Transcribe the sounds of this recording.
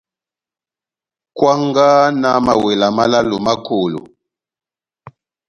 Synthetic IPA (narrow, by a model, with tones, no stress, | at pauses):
kwa˦ŋɡa˦na˨ma˨we˨la˨ma˦la˦lu˨ma˦ko˨lṵ˨